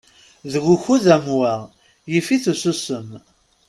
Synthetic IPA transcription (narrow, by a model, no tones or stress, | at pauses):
ðɣuçuðæmwæ | jifiθususəm